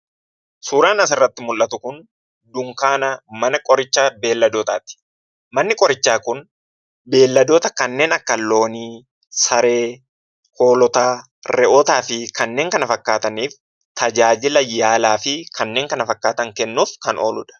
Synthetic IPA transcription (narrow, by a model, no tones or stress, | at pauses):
suːɾaːnɐs̬ɪrːɐt̪ːɪmʊlʔɐt̪ʊkʊn | d̪ʊŋkaːnɐmɐnɐkʼɔɾɪt͡ʃːaːbe̞ːlːɐd̪ɔːt̪a̰ːt̪ɪ̥ | mɐnːɪkʼɔɾɪt͡ʃːaːkʊn | be̞ːlːɐd̪oːt̪ɐkɐnːe̞ːnɐkːɐlːo̞ːniː | sɐɾe̞ː | hoːlɔt̪aː | ɾɛʔot̪aːfɪkɐnːe̞ːŋkɐnɐfɐkːaːt̪ɐniːf | t̪ʰɐd͡ʒaːd͡ʒɪlɐjaːlaːfɪkʰɐnːe̞ːŋkɐnɐfɐkːaːt̪ɐŋkɛnːuːfkɐnoːlʊᶑɐ̥